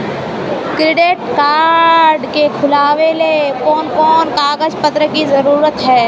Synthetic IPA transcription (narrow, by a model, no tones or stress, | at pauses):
kɾɪɖeːʈkaːɖkekʰʊlaːwelekɔːnkɔːnkaːɡəd͡ʒpət̪ɾəkizɐɾuːɾət̪ɦɛː